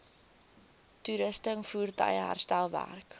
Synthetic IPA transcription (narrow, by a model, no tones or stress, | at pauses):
tuɾəstəŋfuːrtə̰jɦæ̰rstælˠvæ̰rk